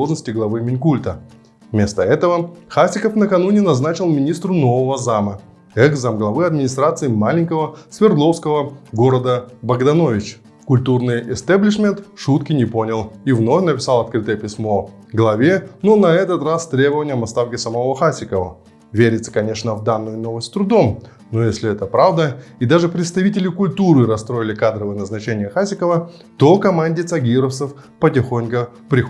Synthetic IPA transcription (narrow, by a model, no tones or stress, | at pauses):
oʐnəsʲtʲɪɡlˠɐvɨmʲɪnʲkulʲt̪ə | vmʲe̞st̪əɛt̪əvəxasʲɪkəfnəkɐnunʲɪnɐznat͡ɕɪlˠmʲɪnʲist̪ɾʊnovəvəzamə | ɛɡzamɡlˠɐvɨɐd̪mʲɪnʲɪst̪ɾat̪sɨɪmalʲɪnʲkəvəsvʲɪrd̪lˠo̞fskəvəɡo̞ɾəd̪əbəɡd̪ɐno̞vʲɪt͡ɕ | kʊlʲt̪urnɨjɪst̪ablʲɪʂmʲent̪ʂut̪kʲɪnʲɪpo̞nʲɪlˠivno̞fʲnəpʲɪsalˠɐt̪̚kɾɨt̪əjəpʲɪsʲmo̞ | ɡlˠɐvʲe̞no̞nɐɛt̪ət̪rast̪ɾʲe̞bəvənʲɪjəmɐst̪afkʲɪsəmɐvo̞xasʲɪkəvə̰ | vʲeɾʲɪt̪sə̥kɐnʲe̞ʂnəvd̪anːʊjʊno̞vəsʲt̪ʲt̪ɾʊd̪o̞m | no̞jesʲlʲɪɛt̪əpɾavd̪əid̪aʐɨpɾʲɪt̪st̪ɐvʲitʲɪlʲɪkʊlʲt̪uɾɨɾɐst̪ɾo̞ɪlʲɪkad̪ɾəvəjənəznɐt͡ɕenʲɪjəxasʲɪkəvə | t̪okɐmanʲdʲɪt̪sɐɡʲiɾəfsəf | pətʲɪxo̞nʲkə | pɾʲɪx